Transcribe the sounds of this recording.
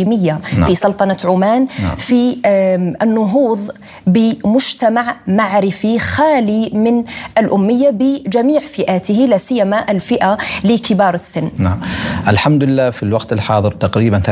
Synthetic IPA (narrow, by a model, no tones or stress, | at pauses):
imɪjːa̰fisˤɑlt̪ˤɑnɑʕʊmaːn̰fi | ʔɪnːʊɦuːðˤ | bɪmʊʒt̪amaʕmaʕɾɪfixaːlimɪnʔɪlʔʊmːɪjːabɪd͡ʒamiːʕfɪʔaːt̪ɪhilasɪjːamaʔɪlfɪʔalɪkɪbɑːɾˤɪsːɪnːnaʔalħamd̪lɪlːaːfilwɑqt̪ɪlħɑːðˤɨɾt̪ɑqɾiːbanθ